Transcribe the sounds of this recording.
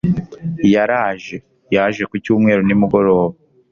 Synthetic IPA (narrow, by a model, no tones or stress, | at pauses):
jaɾaːʒe̞ | jaʒe̞kucuːmŋe̞ːɾonimuɡo̞ɾo̞ːβa